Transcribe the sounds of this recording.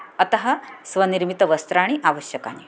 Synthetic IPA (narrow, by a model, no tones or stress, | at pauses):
ɐt̪ɐɦɐsʋɐniɾmit̪ɐʋəst̪ɾaɽ̃iʔaʋəɕjəka̰ni